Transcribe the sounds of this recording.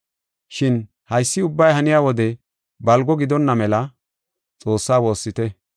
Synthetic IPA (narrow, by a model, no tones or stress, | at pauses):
ʃɪn | hɐjsːɪʊbːɐjɦɐnɪjaːwɔd̪ɛ | bɐlɡɔɡɪd̪ɔnːɐmɛlɐ | t͡sʼo̞ːsːaːwo̞ːsːɪt̪ɛ